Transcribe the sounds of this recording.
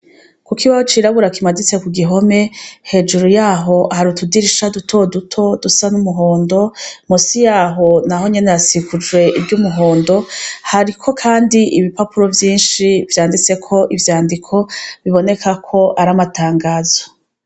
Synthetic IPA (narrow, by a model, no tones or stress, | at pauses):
kukiβahot͡ʃiɾaβuɾakimadit͡se̞kuɡiɦo̞me̞he̞ːd͡ʒuɾujaːɦo̞haɾutudiɾiʃadutʰo̞dutʰo̞dusanumuɦo̞ːndo̞musijaːɦo̞naɦo̞ɲe̞nejasikud͡ʒwe̞ʔibɟumuɦo̞ːndo̞haɾikʰo̞kʰaːndiʔiβipapuɾo̞vjiːnʃivjaːndit͡se̞kʰo̞ʔivjaːndikʰo̞βiβo̞ne̞kʰakʰo̞ʔaɾamataːŋɡaːzo